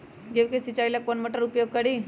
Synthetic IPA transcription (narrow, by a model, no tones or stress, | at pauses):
ɡeʋkesit͡ʃailakpənməʈəɾupjoɡ̚kəɽi